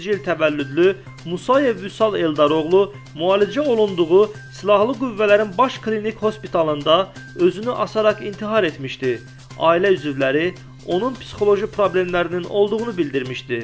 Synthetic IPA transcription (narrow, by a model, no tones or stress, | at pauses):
d͡ʒilt̪ʰævælːyd̪ly | musɑje̞vysɑlˠeld̪ɑɾo̞ʁlˠu | muɑːlid͡ʒæolˠund̪uʁu | silˠɑhlˠɯɡuvːælæɾinbɑʃkʰlinikho̞spit̪ʰɑlˠɯnd̪ɑø̞zynyʔɑsɑɾɑqint̪ʰiɦɑɾe̞t̪ʰmiʃt̪i | ɑ̰ːilæyzyvlæɾi | o̞nunpʰsi̥xo̞lˠo̞ʒipʰɾoble̞mlæɾinino̞lˠd̪uʁunubild̪iɾmiʃt̪i